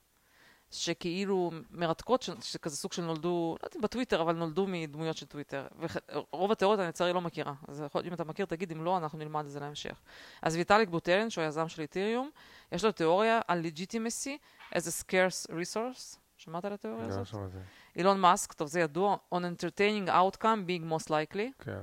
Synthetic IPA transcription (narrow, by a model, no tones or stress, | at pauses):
ʃe̞keilume̞ʁat̪ko̞t̪ʃeʃezekazesuɡ̥ʃelnold̪ulo̰j̰d̪imbet̪wit̪eʁavalno̞ld̪umid̪mujo̞tʃetwit̪eʁveʁo̞vateo̞ʁjot̪anit͡saʁilo̞mekiʁazeolimat̪amakiʁt̪aɡid̪imlo̞anaχnunilmad̪zelaemʃḛχʔa̰zvit̪alikbut̪elenʃeojazamʃelit̪iʁjumjeʃlot̪eo̞ʁjaʔalːed͡ʒit̪imesi | ʔezeskeɾsʁisoɾs | ʃamat̪alat̪eoʁjazot | ʔilonmaskt̪ovzejad̪uaonent̪eʁt̪ejnĩŋɡa̰wt̪kambiŋɡmost̪lajklikḛ